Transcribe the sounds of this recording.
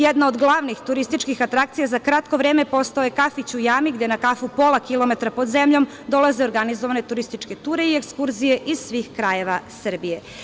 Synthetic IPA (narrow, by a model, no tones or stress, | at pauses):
jed̪naod̪ɡlˠaʋnixt̪uɾist̪it͡ʃkixat̪ɾakt̪sijazakɾat̪koʋɾeːme̞po̞st̪aojekafit͡ɕujaːmiɡd̪je̞nakafupo̞lˠakilˠo̞me̞t̪ɾapo̞d̪zemʎo̞m | d̪o̞laze̞o̞ɾɡanizoʋane̞t̪uɾist̪it͡ʃke̞t̪uːɾeiekskuɾzije̞ʔizsʋiːxkɾaje̞ʋasər̩bije̞